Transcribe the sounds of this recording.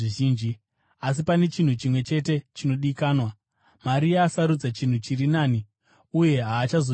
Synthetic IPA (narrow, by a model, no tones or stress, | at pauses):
iʒiːnd͡ʒi | as̬ipane̞t͡ʃin̤ut͡ʃimwe̞t͡ʃe̞te̞t͡ʃino̞ɗikaːnwa | maɾiaːsaɾud͡zat͡ʃin̤ut͡ʃirinaːni | uje̞ɦaːt͡ʃazo